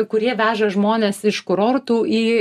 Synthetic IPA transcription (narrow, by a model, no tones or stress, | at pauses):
kʊɾʲiɛʋʲæːʒɐʒmoːnʲɛːsɪʃkʊɾoːɾt̪uːiː